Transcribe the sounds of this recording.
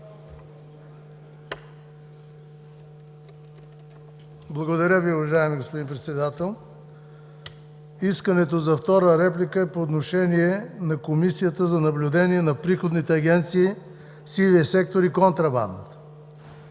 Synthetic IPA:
blˠɐɡod̪ɐɾʲəviʊvɐʒaɛmiɡospod̪inpɾɛt̪sɛd̪at̪ɛlˠ | iskənɛt̪ozɐft̪ɔɾəɾɛplʲikəɛpoːt̪̬noʃɛniɛnɐkomisijət̪əzɐnɐblʲʊd̪ɛniɛnɐpɾixod̪nit̪ɛɐɡʲɛnt̪siː | siviəsɛk̚t̪oɾikont̪ɾɐba̰nd̪ə̰t̪

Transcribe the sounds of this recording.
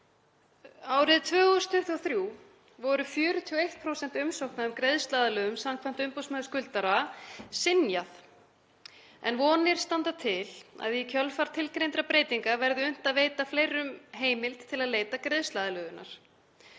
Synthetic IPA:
aːwɾɪðt̪ʰvœːɣɔɣʏst̪ʰʏht̪uɔθɾjuː | vɔɾʏfjʏːɾʏt̪ʰiːɔejht̪̚pʰɾowsɛn̥t̪ʏmsowhknaðʏmkɾeðst̪laːðalœːɣʏmsamkʰvam̥t̪ʏmpowsmœːðʏskʏlt̪aɾasɪnjaθ | ɛnvɔːnɪɾ̥st̪ant̪at̪ʰɪla̰ðikʰœlfaɾt̪ʰɪlkɾejnt̪ɾapɾeːjt̪iŋkavɛɾðʏʏn̥t̪aðveːjt̪afleːjɾʏmɦeːjmɪlt̪ʰːɪlaðleːjt̪akɾeðst̪laːðalœːðʏnʔa̰ɾ̥

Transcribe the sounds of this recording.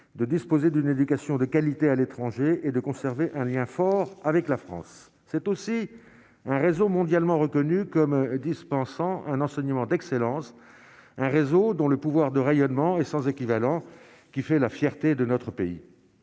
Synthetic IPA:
d̪əd̪ispozed̪yned̪ykasjɔ̃d̪əkalit̪ealet̪χɑ̃ʒeed̪əkɔ̃sɛʁveʔɛ̃ljɛ̃fɔʁavɛklafχɑ̰̃sː | ɛt̪osi | ɛ̃ʁezomɔ̃d̪jalmɑ̃ʁəkɔnykɔmd̪ispɑ̃sɑ̃ʔɛ̃nɑ̃sɛɲəmɑ̃d̪ɛkselɑ̃s | ɛ̃ʁezod̪ɔ̃ləpuvwaʁd̪əʁejɔnmɑ̃ɛsɑ̃zekʲivalɑ̃ | kʲifɛlafjɛʁt̪ed̪ənɔt̪χəpeḭ

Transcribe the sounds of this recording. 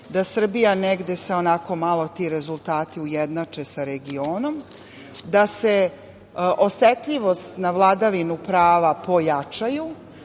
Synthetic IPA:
d̪asr̩bijaneɡd̪e̞seo̞nako̞malˠo̞t̪iɾe̞zulˠt̪aːt̪iujed̪nat͡ʂe̞saɾeɡioːno̞m | d̪ase̞ | ʔoset̪ʎiʋo̞st̪navlˠad̪aʋinupɾaːʋapo̞jat͡ʂaju

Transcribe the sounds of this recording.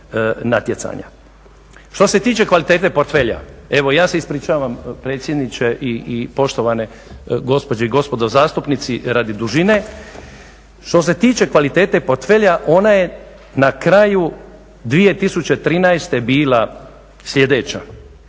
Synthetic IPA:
nat̪je̞t̪sa̰ɲa̰ | ʃt̪o̞se̞t̪iːt͡ʃe̞kʋalit̪e̞ːt̪epo̞ɾt̪fe̞ʎa̰e̞ʋo̞jaːseispɾiːt͡ʃaːʋampɾeːt̪sje̞d̪nit͡ʃeʔiipo̞ʃt̪o̞ʋane | ɡo̞spo̞d͡ʑeiɡo̞spo̞d̪ozaːst̪upnit̪siɾad̪id̪uʒine̞ | ʃt̪o̞s̬e̞t̪iːt͡ʃe̞kʋalit̪e̞ːt̪e̞po̞ɾt̪feʎaʔo̞naje̞ | nakɾaːju | d̪ʋije̞t̪isut͡ɕet̪ɾiːnaest̪e̞biːla | slʎʲe̞d̪et͡ʃa̰

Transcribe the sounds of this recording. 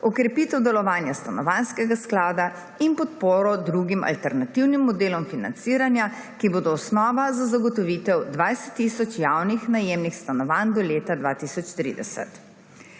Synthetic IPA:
ɔkɾɛpit̪ɛwd̪ɛlɔʋaːnjast̪anɔʋanskɛɡasklaːd̪a | inpɔt̪poːɾɔd̪ɾuɡimʔa̰lt̪ɛɾnat̪iwnimːɔd̪eːlɔmfina̰nt̪siːɾanja | kiboːd̪ɔːsnɔːʋazazaɡɔt̪ɔʋiːt̪ɛwd̪ʋajsɛ̥t̪ːiːsɔt͡ʃjawnixnajemnixst̪anɔʋand̪ɔleːt̪ad̪ʋa̰ːt̪isɔt͡ʃt̪ɾḭːd̪ɛsɛ̰t̪

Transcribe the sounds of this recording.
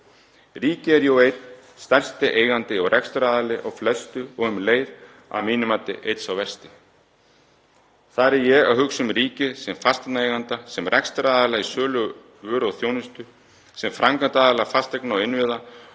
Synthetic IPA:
riːcɪɛɾjowejt̪n | st̪ɛr̥st̪ɪʔeːjɣant̪ɪɔɣrʔɛkst̪ɾaːðalɪʔɔɣflɛst̪ʏɔɣʏmleːjɾ | a̰miːnʏmat̪ɪ̰ʔejt̪sawvɛr̥st̪ɪ | θaɾɛjɛɣa̰hʏksʏmriːcɪsɛmfast̪at̪naejɣant̪asɛmrʔɛkst̪ɾaːðalaɣisœːlʏ | vʏːɾɔɣθjownɪst̪ʏ | sɛmfɾʔaŋkant̪aːðalafast̪ɛknaɔɣɪnvɪða

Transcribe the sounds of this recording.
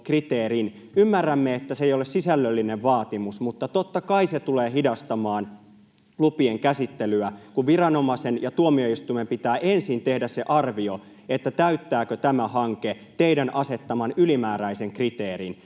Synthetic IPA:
krit̪eːɾin | ymːærːæmːeet̪ːæsejolessisælːølːineʋʋɑːt̪imusmut̪ːɑt̪ot̪ːɑkɑiset̪uleːhidɑst̪ɑmɑːn | lupieŋkæsit̪ːelyækuʋʋirɑno̞mɑsenjɑt̪uomio̞ist̪uimempit̪æːʔensint̪ehdæsseʔɑrʋio | et̪ːæt̪æyt̪ːæːkøt̪æmæhɑŋke | t̪eidænʔɑse̞t̪ːɑmɑnylimæːɾæiseŋkrit̪eːɾin

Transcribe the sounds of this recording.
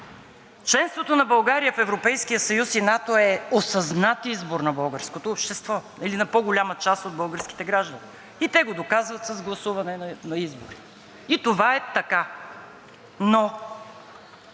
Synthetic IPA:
t͡ʃlɛnst̪vot̪onɐbɐlˠɡaɾijəfɛvɾopɛjskijəsɐjusinat̪oɛosɐznat̪izboɾnɐbɤlˠɡəɾskot̪oːpʃt̪ɛst̪vɔ | ilinɐpɔɡolʲamət͡ʃast̪od̪̚bɤlˠɡəɾsk̟i̥t̪ɛɡɾaʒd̪əni | it̪ɛɡod̪okazvɐt̪səzɡlˠɐsuvɐnɛnɐizbo̰ɾi | it̪ovaɛt̪ɐka | no

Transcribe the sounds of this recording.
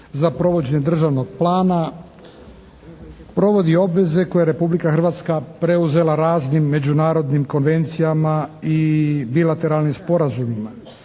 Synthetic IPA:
zapɾo̞ʋo̞d͡ʑeɲed̪r̩ʒaʋno̞ɡ̚plˠaːna | pɾo̞ʋo̞d̪io̞bʋe̞ze̞ko̞jeɾe̞publikaxr̩ʋaːt̪skapɾe̞uze̞laɾaːznimːe̞d͡ʑunaːɾo̞d̪nimko̞nʋe̞nt̪sijamaibilat̪e̞ɾalˠnimspo̞ɾazumima

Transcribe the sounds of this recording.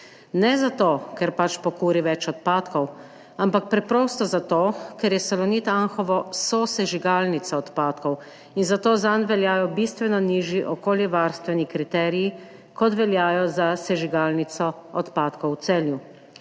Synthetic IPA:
nɛzat̪oːkɛɾpat͡ʃpɔkuːɾiʋɛt͡ʃɔt̪paːt̪kɔw | ampak̚pɾɛpɾoːst̪ɔzat̪oːkɛɾjɛsɛlɔniːt̪anxɔʋɔsɔsɛʒiɡaːlnit̪sɔɔt̪paːt̪kɔw | inzat̪oːzanʋɛljaːjɔbist̪ʋɛnɔniːʒjiʔɔkoːljiʋaɾst̪ʋɛnikɾit̪ɛːɾiji | kɔt̪ʋɛljaːjɔzasɛʒiɡaːlnit̪sɔɔt̪paːt̪kɔwt̪sɛlju

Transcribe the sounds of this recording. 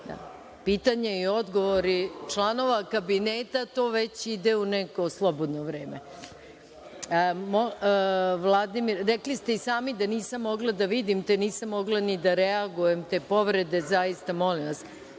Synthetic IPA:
d̪a̰ | piːt̪aɲeio̞d̪ɡo̞ʋoɾit͡ʂlˠano̞ʋakabineːt̪at̪o̞ːʋet͡ɕid̪euneko̞slˠobod̪noʋɾe̞ːme | mo | ʋlˠad̪imiɾːeklist̪e̞isaːmid̪aniːsamːo̞ɡlˠad̪aʋid̪imt̪eniːsamːo̞ɡlˠanid̪aɾeaɡuje̞mt̪e̞ːpo̞ʋɾe̞d̪e̞zaist̪amo̞limʋas

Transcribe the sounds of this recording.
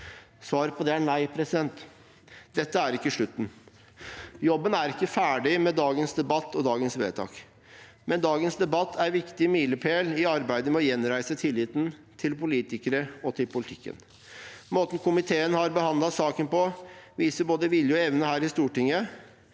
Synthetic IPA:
sʋɑːɾpʰɔd̪ɛæɳæɪpʰɾɛsɪd̪ɛnt̪ | d̪ɛt̪ːəæɾɪkːəʂɭʉt̪ːn̩ | jɔbːənæɾɪkːəfæːɖɪmɛd̪ɑːɡənsd̪ɛbɑt̪ːɔd̪ɑːɡənsʋeːt̪ʰɑ̰ːk | mɛnd̪ɑːɡənsd̪ɛbɑt̪ʰːæɾʋɪkt̪ɪmiːləpʰeːlɪɑɾbæɪd̪əmɛɔjɛnɾæɪsət̪ʰɪlːɪt̪nt̪ʰɪlpʊliːt̪ɪkəɾəɔt̪ʰɪlpʰʊlɪt̪ʰɪ̥kːə̰n | moːt̪n̩kʰʊmɪt̪ʰeːənhɑɾbəhɑnd̪lɑsɑːkənpɔʋiːsəɾboːd̪əʋɪljəɛʋnəhæːɾɪst̪uːʈɪŋːə

